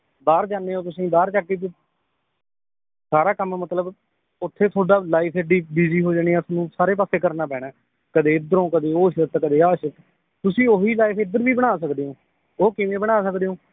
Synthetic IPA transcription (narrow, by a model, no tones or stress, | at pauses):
baːɾd͡ʒaːneːoːt̪ʊsĩːbaːɾt͡ʃaːkːiːt̪ː | saːɾaːkəmmət̪ləb | ʊt̪ʰːeːt̪ʰoːɖaːlaːipʰɛːɖiːbiːziːɦoːd͡ʒaːɽ̃iːɛːsnũːsaːɾeːp̬aːseːkəɾnaːpɛːɽ̃ɛː | kəd̪eːɪd̪əɾõːkəd̪eːoːʃəɾt̪kəd̪eːaːʃət̪ | t̪ʊsĩːoːɦiːlaːipʰɪd̪əɾbiːbəɽ̃aːsəkd̪eːõː | oːkɪʋẽːbəɽ̃aːsəkd̪eːõː